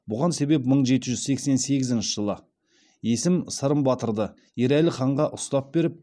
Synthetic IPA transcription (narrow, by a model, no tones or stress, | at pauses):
bʊʁɑnse̞be̞pməɴʒe̞t̪ɪʒʏzse̞kse̞nse̞ɡʲɪzɪnʃɪʒəlˠə | je̞sɪmsəɾəmbɑt̪əɾd̪ə | je̞ɾælɪχɑɴʁɑʔʊst̪ɑp̚be̞ɾɪp̚